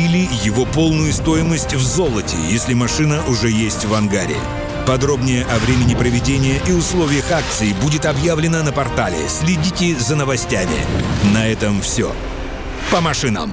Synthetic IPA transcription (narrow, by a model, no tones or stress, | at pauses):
ilʲɪjɪvo̞po̞lˠnʊjʊst̪o̞ɪməsʲtʲvzo̞lˠətʲɪ̰jesʲlʲɪmɐʂɨnəʔʊʐɛjesʲtʲvɐnɡaɾʲɪ̰ɪ̰ | pɐd̪ɾo̞bnʲɪjəʔɐvɾʲemʲɪnʲɪpɾəvʲɪdʲenʲɪjəʔiʊslˠovʲɪjəxak̚t̪sɨɪbudʲɪt̪ɐbjavlʲɪnənəpɐrt̪alʲɪ̰sʲlʲɪdʲitʲɪzənəvɐsʲtʲamʲɪ̰nɐɛt̪əmfsʲo̰ | pəmɐʂɨnə̰m